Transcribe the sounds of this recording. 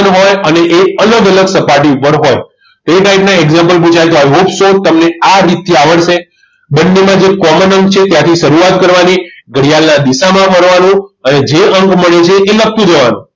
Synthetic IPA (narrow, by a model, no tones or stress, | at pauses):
nɦojəneʔeələɡələɡsəpaʈiupəɽɦoj | t̪oeʈaiʈnaeɡzãmpəlput͡ʃʰajt̪oɦojɦubsot̪əmneaɾit̪iaʋəɭʃe | bənːemãd͡ʒekɔmənəŋkt͡ʃʰet̪jãt̪ʰiʃəɾuat̪kəɾʋaniɡəɽijalnad̪iʃamãɦəɾʋanũəned͡ʒeəŋkməɭet͡ʃʰeʔːlək̚t̪ũd͡ʒəʋanũ